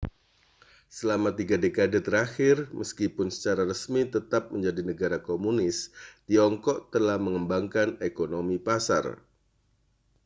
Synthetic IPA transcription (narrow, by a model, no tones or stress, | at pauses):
səlamat̪iɡadekadət̪əɾaxɪrməskipʊnsə̥t͡ʃaɾaɾəsmit̪ət̪ap̚məɲd͡ʒadinəɡaɾakomunɪst̪iɔŋkɔʔ̚t̪əlahməŋəmbaŋkanekonomipasa̰r